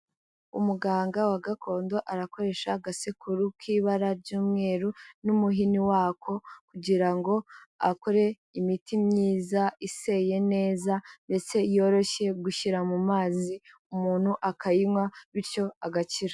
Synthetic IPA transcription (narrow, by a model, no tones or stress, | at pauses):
ṵmuɡaːŋɡawaɡakʰo̞ːndo̞ʔaɾako̞ɾe̞ʃaɡasikʰuɾukʰiːβaɾaɾɟuːmŋe̞ːɾunumuɦiniwaːkʰo̞kuɟiɾaŋɡo̞a̰ko̞ɾe̞ | imitimɲiːzaise̞je̞ne̞ːzande̞t͡se̞jo̞ːɾo̞ʃe̞ɡuʃiɾamumaːzi | umuːn̥huʔakajimŋwaβiɾco̞aɡat͡ʃiɾa